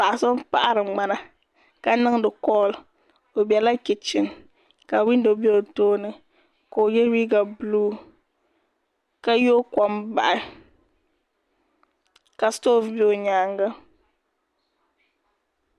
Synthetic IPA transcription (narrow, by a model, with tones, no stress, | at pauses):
pa˨ʔa˨so˦m˦pa˦ʔa˦ɾɨ˨ŋ͡ma˦na˦ | ka˦nɨ˦ŋ˦dɨ˨kɔː˦˨l | o˨bɛ˨la˦kɪ˨t͡ʃɪ˨n | ka˨wi˦n˦do˨be˦o˨toː˦nɨ˨ | ko˨o˨jɛ˦ɾi˦ɡa˨bluː˦ | ka˦jo˦kɔ˦mba˨ʔɪ˦ | ka˨stoː˦˨fbe˦o˨ɲaː˦ŋɡa˦